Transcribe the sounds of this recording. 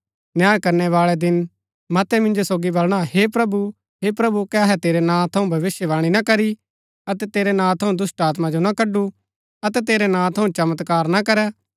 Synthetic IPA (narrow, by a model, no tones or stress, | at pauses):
njaːjkɐɾnɛʋaːɭɛd̪ɪn | mɐt̪ɛmɪ̃nd͡ʒosoːɡibɐlɽ̃aɦeːpɾɐbu | ɦeːpɾɐbukɛɐɦɛt̪eːɾenãːt̪ʰɐũbʱɐʋɪsjəʋaːɽ̃inɐkɐɾi | ɐt̪ɛt̪eːɾɛnãːt̪ʰɐũd̪ʊsʈaːt̪mãd͡ʒonɐkɐɖːu | ɐt̪ɛt̪eːɾɛnãːt̪ʰɐũt͡ʃɐmət̪kaːɾnakɐɾɛ